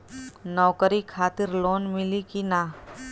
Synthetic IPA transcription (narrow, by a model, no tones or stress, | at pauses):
nɔːkəɾikʰaːt̪ɪɾloːnmɪlikinaː